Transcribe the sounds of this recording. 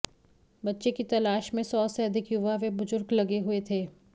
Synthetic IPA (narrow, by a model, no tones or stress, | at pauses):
bɐtːʃekit̪ɐlaːʃmẽsɔːseɐd̪ʱɪkjʊʋaʋebʊzʊɾɡlɐɡeɦʊet̪ʰeː